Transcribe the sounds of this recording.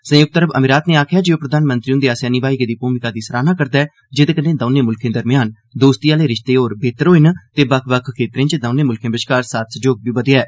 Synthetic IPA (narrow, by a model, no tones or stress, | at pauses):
sə̃jʊk̚t̪əɾəbə̰mɪɾaːt̪nẽːaːkʰjaːd͡ʒeːoːpɾəd̪ʱaːnmənt̪ɾiːʊ̃nd̪eːaːsɛːniːbaːiked̪iːpuːmɪkaːd̪iːsəɾaːnãːkəɾd̪aːɛː | d͡ʒɪd̪eːkənẽːd̪əːnẽːmʊlkʰẽːd̪əɾmɪjaːn | d̪oːst̪iːaːleːɾɪʃt̪eːoːɾbeːt̪əɾoːɪnt̪eːbəkʰʋəkʰkʰːeːt̪ɾẽːt͡ʃd̪əːnẽːmʊlkʰẽːbɪʃkaːɾsaːt̪səd͡ʒoːɡ̚biːbəd̪eɛː